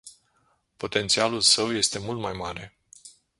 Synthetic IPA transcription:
po̞t̪e̞nt̪sialulsəwje̞st̪e̞mult̪majmaɾe̞

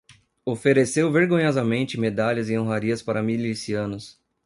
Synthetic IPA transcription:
ofeɾesewveɾɡõɲɔzɐmẽnt͡ʃɪmed̪aʎɐzɪ̃õɦaɾiɐspaɾɐmilisiɐ̃nʊs

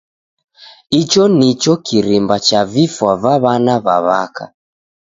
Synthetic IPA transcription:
it͡ʃɔnit͡ʃɔkiɾimbat͡ʃavifwavaβanaβaβaka̰

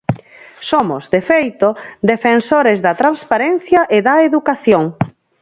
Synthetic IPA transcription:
somozd̪efejt̪od̪efensoɾezðɐt̪ɾanspaɾɛn̟θjɐʔeðɐeðukaθjoŋ

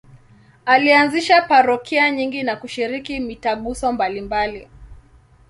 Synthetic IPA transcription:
alianziʃapaɾɔkʰiaɲiŋɡinakuʃiɾikimitaɠusɔmbalimbali

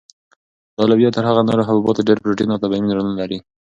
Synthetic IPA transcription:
t̪ɑlabjɑt̪ːəɾɦaɣanoɾoɦabɔbɑt̪aɖeɾpɾoʈinat̪abaiminɾɽunalaɾi

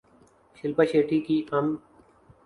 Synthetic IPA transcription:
ʃɪlpaʃeːʈikiːʔɐm

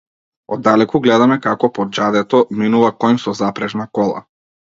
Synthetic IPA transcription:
ɔd̪ːalɛkuɡlɛd̪amɛkakɔpɔd͡ʒad̪ɛt̪ɔminuvakɔjmsɔzapɾɛʒnakɔlˠa̰

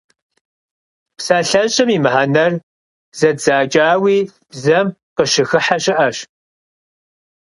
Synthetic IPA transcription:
psaːɬɐɕʼɐmiːmħanɐr | z̥ɐdzaːt͡ʃʼaːwiː | bzɐmqəʃɪxɨħaɕʼɪʔɐɕ

